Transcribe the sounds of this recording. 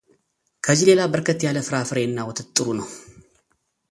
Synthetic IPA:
kʰəzile̞labəɾkʰət̪jaləfɨɾafɨɾe̞nːawɔt̪ʰɨt̪ʼːɨɾunəw

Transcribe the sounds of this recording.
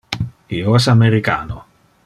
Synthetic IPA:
ioɛsameɾikaːno

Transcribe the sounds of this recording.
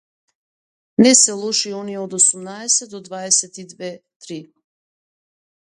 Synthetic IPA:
nɛsɛlˠɔʃiɔniɛod̪osumnaɛsɛt̪ːɔd̪vaɛsɛt̪id̪vɛt̪ɾi

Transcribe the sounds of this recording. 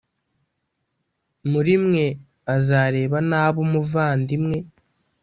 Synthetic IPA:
muɾimŋe̞ | azaːɾe̞ːβanaːβomuvaːndimŋe̞

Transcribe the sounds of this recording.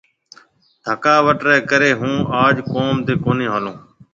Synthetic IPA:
d̪ʱəkaːʋəʈɾɛːkəɾeːɦũːaːd͡ʒkoːmt̪eːkoːnẽːɦaːlõː

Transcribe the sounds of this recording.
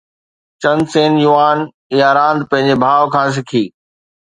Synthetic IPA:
t͡ɕɐ̃nseːnjʊʋaːn | iaːɾãːnd̪̚pɐ̃ɦɪ̃ɲ̆d͡ʑebʱaːʋkʰãːs̬ɪkʰiː

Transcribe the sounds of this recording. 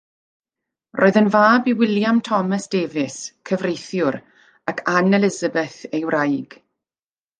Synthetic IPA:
rʔoːɨðənvaːbiwɪljamtʰɔməsd̥eːvɪskʰəvrejθjʊɾ | akʰanɛlɪzabɛθejwrajɡ̥

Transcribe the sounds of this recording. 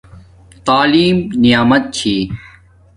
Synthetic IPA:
t̪aːliːmnijaːmɐt̪̚t͡ɕʰiː

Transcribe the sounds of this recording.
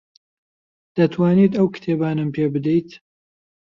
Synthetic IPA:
d̪̥ɐt̪ʰwaːniːd̪ɐwkɨ̥t̪ʰebaːnɨmpʰeːbɨd̪ɛjt̪

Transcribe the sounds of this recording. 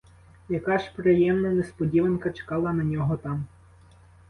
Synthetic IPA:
jɐkɑʒpɾejɛmnɐnespɔdʲiʋɐnkɐt͡ʃe̥kɑlˠɐnɐnʲɔɦɔt̪ɑm

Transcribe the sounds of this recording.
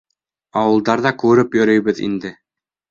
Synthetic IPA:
ɑwɤ̆lˠd̪ɑɾðɑkʉɾɵpjɵ̆ɾɤ̆jβɘðḭnd̪ɘ

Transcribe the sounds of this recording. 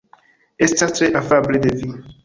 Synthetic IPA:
estastɾeʔafabled̪evi

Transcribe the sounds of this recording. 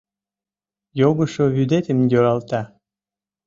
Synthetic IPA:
joɣə̆ʃoβyd̪et̪emjøɾɑlt̪ɑ

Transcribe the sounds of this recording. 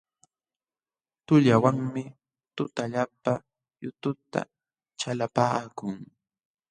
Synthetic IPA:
t̪ʊʎawaŋmɪ | t̪ʊt̪aʎapa | jʊt̪ʊt̪a̰ | t͡ʃalapaːkʊŋ

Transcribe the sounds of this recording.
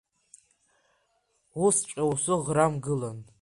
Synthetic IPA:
ust͡ʃʼausɨʁɾamɡɨlan

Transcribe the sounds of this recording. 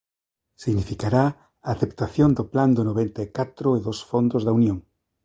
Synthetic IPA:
siɣnifikaɾa | aːθept̪aθjond̪ʊpland̪ʊnoβent̪aekat̪ɾʊeðosfond̪ozðaunjõŋ

